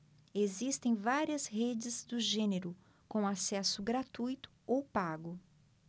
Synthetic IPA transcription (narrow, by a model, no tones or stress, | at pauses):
ezist̪ẽj̃vaɾiɐshed͡ʒɪzd̪ʊʒẽneɾʊ | kõasɛsʊɡɾat̪ujt̪ʊ̥owpaɡʊ